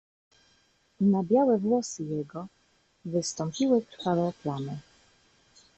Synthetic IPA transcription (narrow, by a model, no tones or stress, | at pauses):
nabʲjawɛvwɔsɘjɛɡɔ | vɘst̪ɔmpʲiwɘkɾfawɛplanɛ